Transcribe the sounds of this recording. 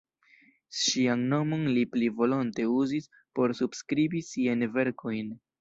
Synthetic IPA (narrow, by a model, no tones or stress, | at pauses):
ʃianno̞mo̞nliplivo̞lonte̞uzis | po̞ɾsubskɾibisiajnve̞ɾko̞jn